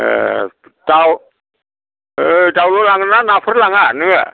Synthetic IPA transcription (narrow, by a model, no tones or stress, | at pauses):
ʔː | daw | əːdawlolaŋnanaːfʰɯt̚laŋanɯa̰